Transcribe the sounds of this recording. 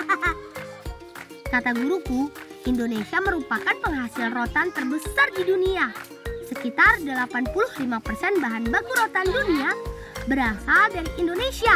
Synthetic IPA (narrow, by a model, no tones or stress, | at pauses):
kat̪aɡuɾukuʔindonesiaməɾupakanpəŋɦasilrot̪ant̪ərbəsardidunia | səkit̪ardəlapanpuluhlimapərsɛnbaɦanbakuɾot̪andunia | bəɾasaldaɾiʔindonesia